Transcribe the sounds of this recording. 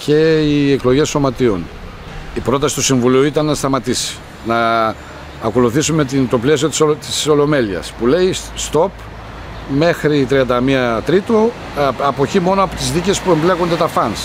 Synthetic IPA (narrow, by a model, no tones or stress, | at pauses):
ce̞ieklo̞ʝe̞so̞mɐt̪io̞̰n | ipɾo̞t̪ɐsi̥t̪usiɱvuliuit̪ɐnːɐst̪ɐmɐt̪isi̥ | nɐː | ko̞luθisume̞t̪it̪o̞ple̞sio̞t̪i̥sot̪i̥so̞lo̞me̞liɐ̰spule̞ist̪o̞p | me̞xɾit̪ɾiɐnd̪ɐmiɐt̪ɾit̪o̞ | ɐpo̞çimo̞noɐpot̪izðice̞spuemble̞kond̪e̞t̪ɐfɐns